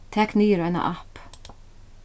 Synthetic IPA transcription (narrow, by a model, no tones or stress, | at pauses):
t̪ʰɛknyːɾɛna̰ʔɑp